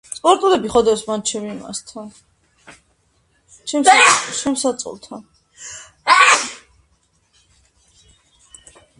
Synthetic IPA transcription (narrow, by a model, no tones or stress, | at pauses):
sʼpʼɔɾt̪ʼulɛbiχɔd̪ɔsmant͡ʃʰɛmima̰st̪ʰan | t͡ʃʰɛmst͡ʃʰɛmsat̪sʼɔ̰lˠt̪ʰan